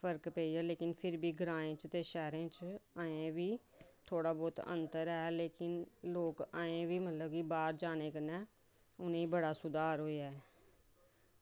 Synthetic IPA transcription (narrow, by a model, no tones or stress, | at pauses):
pʰəɾkpɛːiːɛːleːkɪnpʰɪɾbiːɡɾãːẽːt͡ʃt̪eːʃɛːɾẽːt͡ʃaːẽːʋiː | t̪ʰoːɽaːbɔːt̪ə̰̃nt̪əɾɛːleːkɪnloːkaːẽːʋiːmət̪ləb̚kiːbaːɾd͡ʒaːneːkənɛː | ʊnẽːiːbəɽaːsʊd̪aːɾɦoːeɛː